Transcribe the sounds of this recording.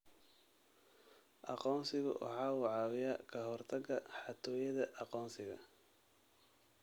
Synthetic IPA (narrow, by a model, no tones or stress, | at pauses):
ʔɑ̰qɔːnsɪɣʊ̰wʔɑ̰ħɑːwɑʕɑːwɪjakʰɐɦɔrt̪ʰɐɡɐħɑt̪ʰɔːjɐðɐʔɑqɔːnsɪɣɐ̰